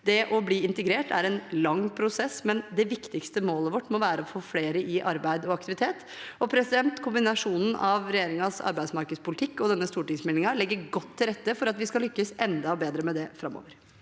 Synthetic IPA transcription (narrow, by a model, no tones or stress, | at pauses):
d̪ɛʔɔbliːɪnt̪əɡɾeːʈʰæɾɛnlɑŋːpʰɾʊsɛsmɛnd̪ɛʋɪkt̪ɪkst̪əmoːləʋɔʈːmɔʋæːɾəɔfoːfleːɾəʔɪʔɑɾbæɪd̪ɔɑkt̪ɪʋɪt̪ʰeːt̪ | ɔpʰɾɛsɪd̪ɛnt̪kʰʊmbɪnɑʂuːnn̩ʔɑʋɾɛjeːɾɪŋɑsɑ̰ɾbæɪsmɑɾkəd̪spʊlɪt̪ʰɪkːɔd̪ɛnːəst̪uːʈɪŋsmɛlnɪŋɑlɛɡːəɾɡɔt̪ʰːɪlɾɛt̪ːəfɔɾɑt̪ʋɪskɑlʏkːəsɛnd̪ɑbeːd̪ɾəmɛd̪ɛfɾɑmːo̰ːʋəɾ